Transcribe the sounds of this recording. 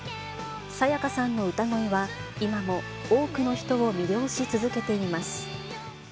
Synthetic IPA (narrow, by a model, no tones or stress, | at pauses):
sajakasãnːo̞ɯ̟t̪aŋo̞iβaimamo̞ | oːkɯ̟no̞çi̥t̪o̞omʲiɾʲo̞ːɕit͡sɨzɨke̞t̪e̞imasɨ̥